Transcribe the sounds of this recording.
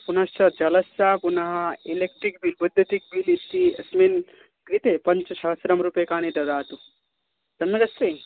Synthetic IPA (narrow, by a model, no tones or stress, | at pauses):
punɐst̪ɐd͡ʒɐlɐsːapunɐɦɐilek̚ʈɾik̚bilbud̪ʱːɐt̪ik̚bilit̪iɐsmen | kɾit̪epɐnt͡ʃt͡ʃʰɐɦɐsɾɐmɾupekaːnid̪ɐd̪aːt̪u | d͡ʒɐnmːɐɡɐst̪e